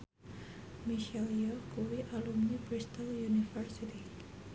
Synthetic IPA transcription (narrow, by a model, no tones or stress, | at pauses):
miʃɛljɔkuwiʔalumnibɾist̪aljunifərsit̪i